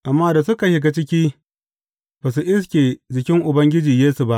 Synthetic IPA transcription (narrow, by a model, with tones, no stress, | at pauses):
ʔa˨mːaː˦da˨sʊ˦ka˨ʃɪ˦˨ɡa˦t͡ʃɪ˦kʲiː˦ | b̥a˨s̬u˨ʔɪ˦skʲeː˨d͡ʒɪ˨kʲɪ˦ŋʔʊ˨bɐ˦ŋɡʲɪ˦d͡ʒiː˨jeː˦su˨ba˦ʔ